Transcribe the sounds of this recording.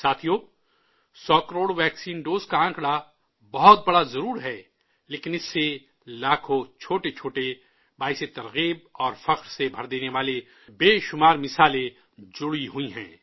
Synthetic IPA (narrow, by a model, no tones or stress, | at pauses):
saːt̪ʰijoː | sɔːkɐɾoːɽʋɛːksiːnɖoːzkaãːkɽa | bɐɦɔt̪̚bɐɽazɐɾuːɾɦɛː | leːkɪnɪsːe | laːkʰõt͡ʃʰoːʈet͡ʃʰoːʈe | baːɪset̪ɐɾɣiːb̚ɔːɾfɐqɾsebʱɐɾd̪eːneʋaːle | beːʃʊmaːɾmɪsaːle | d͡ʒʊɽiɦʊiɦɛ̰̃ː